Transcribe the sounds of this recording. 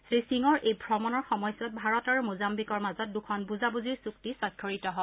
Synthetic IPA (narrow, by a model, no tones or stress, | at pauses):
sɹisiŋɔɹejbʱɹɔmɔnɔɹxɔmɔjsɔt̚bʱaɹɔtaɹumuzambikɔɹmazɔt̚dukʰɔnbuzabuziɹsuktisɔkʰːɔɹitɔɦɔ